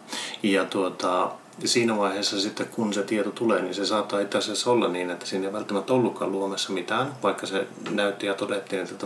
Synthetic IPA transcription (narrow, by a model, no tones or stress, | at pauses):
jɑt̪uot̪ɑ | siːnæʋɑiheːsːɑsit̪ːekkunset̪iet̪ot̪uleːninsesɑːt̪ːɑːit̪ːæsesːolːɑnniːnet̪ːæ̥siːnːeiʋælt̪ːæmæt̪ːæolːukːɑ̰luomesːɑmit̪æːnʋɑikːɑsenæyt̪ːijɑt̪odet̪ːiːnet̪ːæt̪